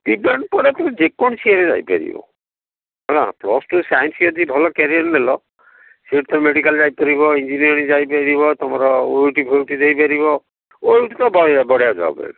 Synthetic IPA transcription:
tibaɳɖpɔɾet̪d͡ʒekɔnt͡ʃʰiaɾed͡ʒa̰jpa̰ɾḭbɔ̰ | ɔɽã̰plɔsʈusajɔnsiɔd̪ibʱɔlɔkeɾiaɾnelɔ | seʈt̪ʰɔmeɽikald͡ʒajpaɾibɔind͡ʒinijɔɾnid͡ʒajpaɾiβɔt̪ɔmaɾɔojuʈibʱowʈidejpaɾiβɔ | ojuʈit̪ɔbɔbɔɽijad͡ʒa̰bɔ̰ḛl

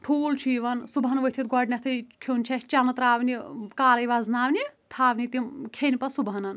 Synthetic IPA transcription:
ʈʰuːlt͡ʃʰiːʋɐnsubɦɐnʋɐɦt̪ʰit̪̚ɡɔɖnʲɐt̪ʰɐjkʰont͡ʃʰɐt͡ʃɐnɐt̪ɾaːʋnikaːlɐjʋaznaːʋnʲit̪ʰaːʋnʲit̪imkʲʰenipɐsubɐnɐn

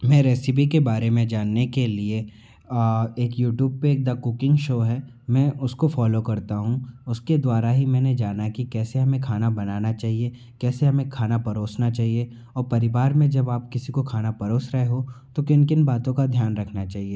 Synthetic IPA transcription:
mɛ̃ːɾɛːsɪp̬ikebaːɾemẽd͡ʒaːnːekelie | eːkjuːʈjuːb̚peeːk̚d̪akʊkɪ̃ŋɡʃoːɦɛː | mɛ̃ːʔʊskofɔːlokɐɾt̪aɦũʊsked̪waːɾaɦimɛ̃ːned͡ʒaːnakikɛːseɦɐmẽkʰaːnabɐnaːnat͡ʃaːɦie | kɛːseɦɐmẽkʰaːnapɐɾoːsnat͡ʃaːɦie | ɔːɾpɐɾɪʋaːɾmẽd͡ʒɐbaːp̚kɪsikokʰaːnapɐɾoːsɾɛɦeɦot̪okɪnkɪnbaːt̪õkad̪ʱjaːnɾɐkʰnat͡ʃaːɦieː

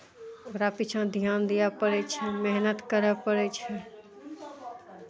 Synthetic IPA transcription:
oɾapit͡ʃʰãd̪ʱijaːnd̪ijapəɽɛt͡ʃʰɛmɛɦnət̪kəɾəpəɽɛt͡ʃʰɛ

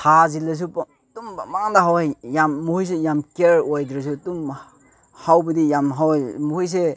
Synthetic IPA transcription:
hazilːɐs̬u | tumbamaŋdaɦawajjamːuhujs̬ejamkeɾojdɾes̬utum | hawbɐdijamɦawmuhujs̬e

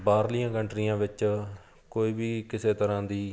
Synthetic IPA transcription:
baːɾlijãːkəɳʈɾijãːʋɪt͡ʃ | koːiːbiːkɪseːt̪əɾãːd̪iː

